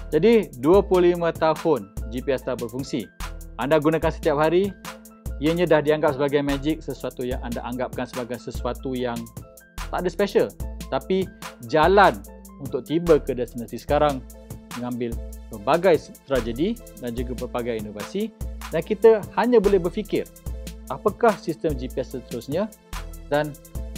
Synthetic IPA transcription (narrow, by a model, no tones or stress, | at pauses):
d͡ʒadiduəpuulimə̃t̪ahʊnd͡ʒipiɛst̪abərfuŋsiandaɡunakansə̥t̪iap̚ɦaɾi | ijəɲãdahdiaŋɡap̚səbaɡajmad͡ʒɪk̚səsuat̪ujaŋanda̰ʔaŋɡap̚kansəbaɡajsəsuat̪ujaŋ | t̪aʔdəspeʃəlt̪apid͡ʒalan | unt̪ʊk̚t̪ibəkədast̪ənasisə̥kaɾaŋməŋãmbɪlpərbaɡajt̪ɾad͡ʒədi | dand͡ʒuɡapərbaɡajinovasidankit̪əhaɲãbolɛhbərfikɪr | apakahsist̪əmd͡ʒipiɛsət̪əɾusɲə̃ | dan